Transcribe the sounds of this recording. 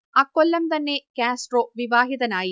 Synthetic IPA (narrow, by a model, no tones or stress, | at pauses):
ɐkːɔlːɐmt̪ɐnːekaːsʈroːʋiʋaːɦiðɐnaːji